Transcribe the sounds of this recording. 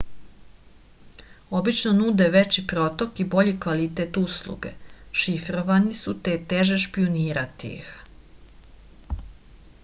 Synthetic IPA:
o̞bit͡ʃnonud̪eʋet͡ɕipɾot̪o̞kibo̞ʎikʋalit̪et̪uslˠṵɡḛʃifɾoʋanisut̪eːt̪eʒeʃpioniːɾat̪ḭx

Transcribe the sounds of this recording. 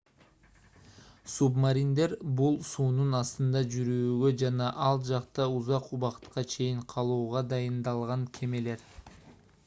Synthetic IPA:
submaɾʲind̪e̞ɾbulˠsuːnunɑst̪ɯnd̪ɑd͡ʒyɾyːɡø̞d͡ʒɑnɑʔɑlˠd͡ʒɑqt̪ɑuzɑquβɑqt̪qɑt͡ʃʰe̞jiɴqʰɑlˠuːʁɑd̪ɑjɯnd̪ɑlˠʁɑŋkʲʰe̞me̞le̞ɾ

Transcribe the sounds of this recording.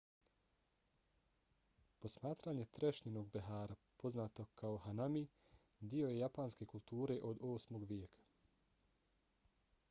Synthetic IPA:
po̞smaːt̪ɾaɲe̞t̪ɾeʃɲeno̞ɡ̚beɦaːɾapo̞znaːt̪okʰaoɦanami | d̪io̞je̞japaːnske̞kulˠt̪uːɾe̞ʔo̞d̪oːsmo̞ɡʋjeːkʰḁ

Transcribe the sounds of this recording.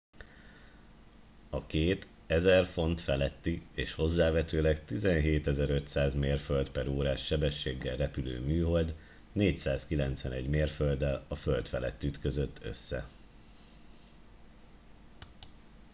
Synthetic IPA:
ɒkeːt̪ | ɛzɛrfo̞nt̪fɛlɛt̪ːieːʃho̞zːaːvɛt̪øːlɛkt̪izɛnɦeːt̪ɛzɛɾø̞t̪saːzmeːrfølt̪pɛɾoːɾaːʃːɛbɛʃːeːɡːɛlrɛpylø̰ːmyːɦo̞ld̪ | neːcsaːskilɛnt̪sʋɛnɛɟmeːrføld̪ɛlɒfølt̪fɛlɛ̰t̪ːyt̪kø̞zø̞t̪ʰːø̰sːɛ̰

